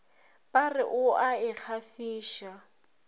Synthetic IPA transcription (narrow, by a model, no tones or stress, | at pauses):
pʼarɪʔʊaɪk͡xʰafiːʃa